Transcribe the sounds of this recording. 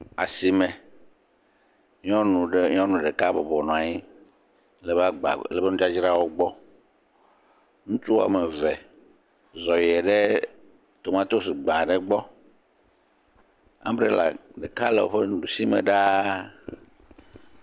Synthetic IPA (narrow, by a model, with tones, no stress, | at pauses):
a̰˨si˨mɛ̃˨ | ɲ˦ɔ̃˦nũ˨ɖɛ˦ɲ˦ɔ̃˦nũ˨ɖɛ˨ka˦bɔ˨bɔ˨nɔ̃˨a˨ɲi˦ | le˨ba˦ɡ͡ba̰˨lɛ˨be˦nũ˦d͡ʒa˦d͡ʒɾa˦wo˦ɡ͡bɔ˦ | ŋũ˦t͡ʃu˦wa̰˨mɛ˨vɛ˨ | zɔ˨jɛ˨ɖe˦ | t̪o˨mã˦t̪o˦si˨ɡ͡bã˨ɖɛ˨ɡ͡bɔ˦ | ã̰˦bɾe˦la̰˨ɖe˨ka˦lḛ˨wo̰˦ɸe˦nũ˦ɖu˨si˦mḛ̃˨ɖa˦